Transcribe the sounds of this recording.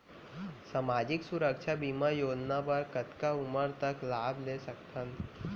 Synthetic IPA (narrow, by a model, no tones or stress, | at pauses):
samaːd͡ʒɪksʊɾəkʃʰabiːmajoːd͡ʒnapəɾkət̪kaʊməɾt̪əklaːblesəkt̪ʰən